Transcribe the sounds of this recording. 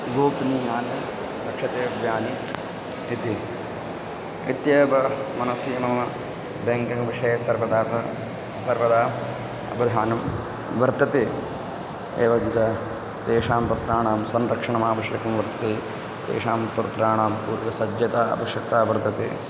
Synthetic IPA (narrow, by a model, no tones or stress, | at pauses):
ɡoːpniːnaːnjɐ | ɾɐkʂɐt̪eːʋjaːni | it̪i | it̪jeːbɐmɐnɐsiːmɐmɐ | beŋkɐŋʋiʂɐjɐsɐɾʋɐd̪aːt̪ɐ | sɐɾʋɐd̪aː | ɐ̰bɐd̪ʱaːnɐm | ʋɐɾt̪ɐt̪eː | ḛːʋɐɲt͡ʃɐ | t̪eːʂaːmpɐt̪ɾaːɳaːmsɐnɾɐkʂɐɳɐmaːʋɐʃjɐkɐmʋɐɾt̪ʰɐ̥t̪eː | t̪ḛːʂaːmpɐɾɐt̪ɾaːɳaːmpuːɾʋɐsɐd͡ʒjɐt̪aːɐ̰ʋɐʃjɐk̚t̪aːʋɐɾt̪ɐt̪eː